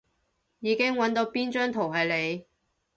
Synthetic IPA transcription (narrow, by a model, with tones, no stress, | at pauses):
jiː˨˧kɪ˥ŋwɐ˨˥nt̪o˨˧˥wpiː˥nt͡ʃœː˥ŋt̪ʰo˨˩wɦɐ˨jle˨˧j